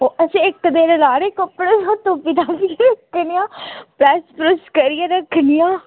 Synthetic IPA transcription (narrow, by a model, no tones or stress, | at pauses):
oːəsĩɪkd̪eːɾlaːɾeːkəpːəɽeːãːt̪õːpid̪aːpiɾəkʰnijãːpɾɛːspɾʊskəɾijãːɾəkʰːnijãː